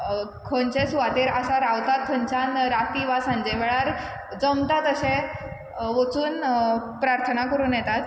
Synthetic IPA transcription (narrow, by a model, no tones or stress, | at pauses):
kʰont͡ɕẽsuʋat̪eɾəsaɾaʋt̪at̪̚kʰəɲt͡ɕanɾat̪iʋasaɲd͡ʑeʋɛɭaɾ | d͡zəmt̪at̪əɕẽ | ʋot͡suːnpɾaɾt̪ʰənakəɾuːnjɛt̪at̪